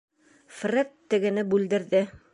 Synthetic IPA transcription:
frʲet̪ːɘ̆ɡɘ̆nɘbʉld̪ɘ̆ɾðɘ

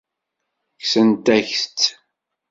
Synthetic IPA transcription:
çsənt̪æçθt͡sː

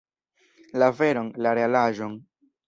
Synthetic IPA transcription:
laveɾonlaɾealaʒon

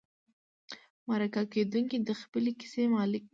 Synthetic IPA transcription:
maɾakaked̪uŋkid̪əxpəleki̥semɑlɪk̚

